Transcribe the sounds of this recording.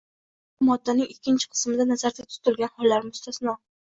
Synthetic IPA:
bʊmɒd̪ːanɪŋɪkʲːɪnt͡ʃʰɪ̥qʰɨ̥smɪd̪anazaɾd̪ʲat̪ʰʊ̥t̪ʰɪlɡʲanhɒlːaɾmʊst̪asnɒ

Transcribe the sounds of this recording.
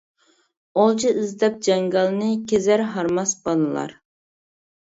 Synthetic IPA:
olˠt͡ʃʰiʔizd̪ɛp̚d͡ʒɛŋɡɑlˠnɨkʲezæɾɦɑɾmɑsbɑnɨlˠɑ̰ɾ

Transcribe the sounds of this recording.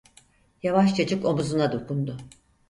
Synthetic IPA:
javaʃt͡ʃʰat͡ʃɯko̞muzunad̪okʰund̪ʊ

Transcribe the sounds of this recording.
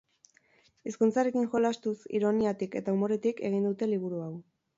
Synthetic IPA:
iskunt͡saɾe̞kiŋʝo̞last̪usḭɾo̞niat̪ike̞t̪aumo̞ɾe̞t̪ike̞ɣ̞ind̪ut̪e̞liβ̞uɾuaw

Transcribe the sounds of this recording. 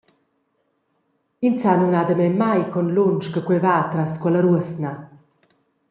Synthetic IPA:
int͡sanunad̪əmɛmmːajkɔnlunt͡ʃkəkwɛvaːt̪ɾaskuələɾuəsna

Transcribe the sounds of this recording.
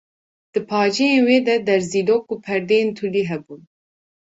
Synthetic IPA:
d̪̥ɨpʰɑːd͡ʒɛjenweːd̪ɛd̪ɛɾziːloːkːupʰɛɾd̪ejent̪ʰuliːɦɛbuːn

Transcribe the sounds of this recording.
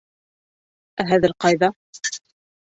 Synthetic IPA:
æɦæðɘɾqɑjðɑ

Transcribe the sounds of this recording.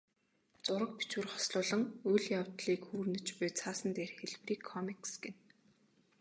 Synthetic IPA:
t͡sʊɾə̆k̚pi̥t͡ɕurχɔ̥sɮʊːɮə̆ŋʊjɮjawt̪ɮiːkxuːrnɘ̆t͡ɕpʊjt͡sʰaːsə̆nt̪eːrxeɮpriːkʰːɔmiksɡen

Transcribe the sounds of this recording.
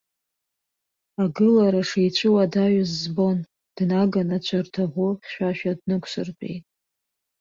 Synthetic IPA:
aɡɨlaɾaʂejt͡ɕʷʰʼɨwadaɥazːbo̞n | d̥naɡanat͡ɕʷʰɨrtʰaʁʷʊχʲʃᶣaʃᶣadnɨkʷʰʼsɨrpʼḛjtʼ

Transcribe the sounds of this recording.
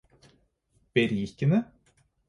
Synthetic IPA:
b̥ɛɾiːkɪnə

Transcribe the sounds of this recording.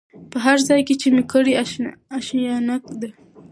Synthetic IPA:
pəɦaɾzɑjket͡ʃemekəɽiaʃjɑnakd̪a

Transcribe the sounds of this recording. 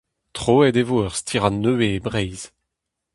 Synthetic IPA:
tχoːɛdevoœʁst̪ʰiʁãnːøeːbʁɛjz̥

